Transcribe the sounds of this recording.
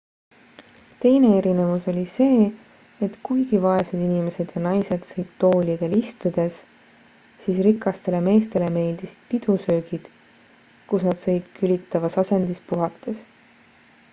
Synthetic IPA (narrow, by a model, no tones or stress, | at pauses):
t̪e̞jne̞e̞ɾine̞vuso̞lʲise̞ː | et̪kujɡ̥ivɑe̞sed̪inime̞se̞d̪̥jɑnɑjse̞d̪̥sɤjd̪̥t̪ːo̞ːlʲid̪̥e̞list̪ud̪̥e̞s | siːsrikˑːɑst̪e̞le̞me̞ːst̪e̞le̞me̞ːld̪̥isi̥d̪̥pid̪̥usøːɡ̥id̪̥ | kusnɑd̪̥sɤ̞jd̪̥kylʲit̪ːˑɑvɑsɑse̞nd̪̥ispuɦɑt̪ːˑe̞s